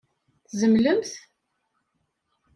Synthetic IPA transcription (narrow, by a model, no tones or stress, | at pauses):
θzəmləmθ